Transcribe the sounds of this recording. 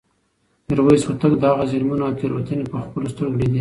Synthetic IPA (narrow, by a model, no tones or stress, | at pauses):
nɪɾwajswat̪aɡd̪əaɣazɪlmunɑt̪eɾwat̪ənepəxpəlost̪əɾɡɽed̪i